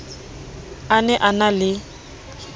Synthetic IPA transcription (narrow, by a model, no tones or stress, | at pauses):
anɛʔanalɪ